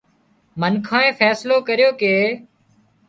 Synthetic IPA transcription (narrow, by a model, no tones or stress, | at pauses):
mənkʰãːẽːfʰɛːsloːkəɾjoːkeː